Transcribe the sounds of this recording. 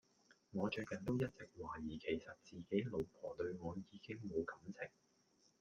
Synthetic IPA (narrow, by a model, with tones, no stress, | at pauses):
ŋɔː˨˧t͡ʃɵ˧kɐ˨˩nt̪o˥wjɐ˥t̚t͡sɪ˨k̚waː˨˩jiː˨˩kʰe˨˩jsɐ˨t̚t͡siː˨ke˨˥jlo˨˩wpʰɔː˨˩t̪ɵ˧ɥŋɔː˨˧jiː˨˧kɪ˥ŋmo˨˧wkɐ˨˥mt͡sʰɪ˨˩ŋ̚